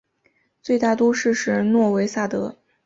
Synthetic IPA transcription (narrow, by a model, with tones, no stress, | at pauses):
t͡swe˥˧ɪt̪a˥˩t̪u˥ʂɻ̩˥˧ʂɻ̩˥˩nwɔ˥˩we˧˥ɪsa˥˩t̪ɤ˧˥